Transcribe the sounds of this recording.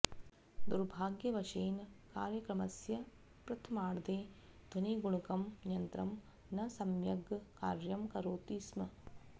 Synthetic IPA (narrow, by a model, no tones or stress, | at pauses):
d̪uɾbʱaːɡjɐʋɐʃeːnkaːɾjɐkɾɐmɐsjɐ | pɾɐt̪ʰɐmaːɽd̪eːd̪̥ʱɐniɡuɳukɐmnjɐnt̪ɾɐm | nɐsɐmjɐɡkaːɾjɐmkɐɾoːt̪iːsmɐ